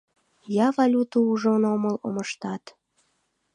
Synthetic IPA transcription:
jɑvɑlʲut̪uuʒonoməlo̰məʃt̪ɑt̪

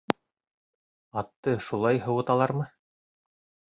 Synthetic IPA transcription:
ɑt̪ːɤʃulˠɑjɦɤ̆wɤ̆t̪ɑlˠɑɾmɤ

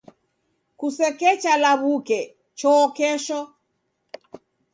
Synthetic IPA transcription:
kusɛkɛt͡ʃalaβukɛ | t͡ʃɔkɛʃɔ

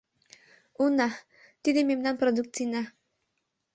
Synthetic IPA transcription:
una | t̪id̪ememnanpɾɔd̪uk̚t̪t͡sina

